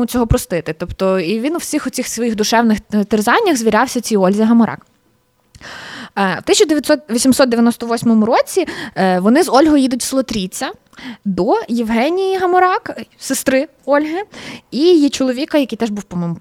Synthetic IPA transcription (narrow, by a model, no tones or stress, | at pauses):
ʊt͡sʲɔɦɔpɾɔst̪ɪt̪ɪt̪ɔpt̪ɔiʋʲinʊwsʲixʊt͡sʲixsʋɔjixd̪ʊʃɛwnɪxt̪erzɑnʲːɐɣzʋʲiɾʲɑwsʲɐt͡sʲiɔlʲzʲiɦɐmɔɾʔɑ̰k | wt̪ɪsʲt͡ʃʊd̪eʋʲjɐt̪sɔt̪ʋʲisʲimsɔt̪d̪eʋjɐnɔst̪ɔʋɔsʲmɔmʊɾɔt͡sʲiʋɔnɪzɔlʲɦɔjid̪ʊtʲslˠɔt̪ɾʲit͡sʲːɐ | d̪ɔjɪwɦɛnʲijiɦɐmɔɾɑksɪst̪ɾɪ | ɔlʲɦɪijit͡ʃɔlˠɔʋʲikɐjɐkijt̪ɛʒbuwpɔmɔmʊ